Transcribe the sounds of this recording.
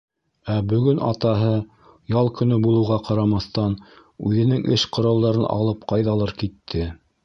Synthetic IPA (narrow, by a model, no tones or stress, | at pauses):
æbɵ̆ɡɵnʔɑ̰t̪ɑɦɤ | jɑlˠkɵ̆nɵbulˠɤ̆wʁɑqɑɾɑmɑθt̪ɑn | ʉðɘ̆nɘŋʔɘʃqŏɾɑlˠd̪ɑɾɤnʔɑ̰lˠɤp̚qɑjðɑlˠɤɾkit̪ʰːɘ